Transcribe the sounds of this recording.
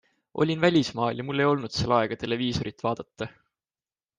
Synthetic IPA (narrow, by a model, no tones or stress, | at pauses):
ʔo̞̰lʲinvælʲismɑːljɑmulːe̞jo̞lnud̪̥se̞lːɑeɡ̥ɑt̪e̞le̞viːso̞ɾit̪ːˑvɑːd̪̥ɑt̪ˑːɑ